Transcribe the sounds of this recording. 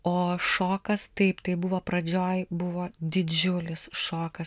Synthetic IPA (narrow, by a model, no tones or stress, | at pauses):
oːʃoːkɐst̪ɐɪpt̪ɐɪbʊʋoːpɾɐd͡ʒʲoːjbʊʋoːd̪ʲɪd͡ʒʲʊlʲɪsʃoːkɐs